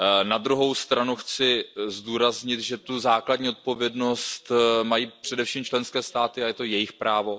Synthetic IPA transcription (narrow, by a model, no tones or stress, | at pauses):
nad̪ɾuɦo̞wst̪ɾanuxt͡sɪzduːɾazɲɪt̪ʒɛt̪uzaːkladɟɲiːo̞t̪̚po̞vjɛdno̞st̪majiːpr̝̥ɛdɛfʃimt͡ʃlɛnskɛːst̪aːt̪ɪajɛt̪o̞jɛjɪxpɾaːvo̞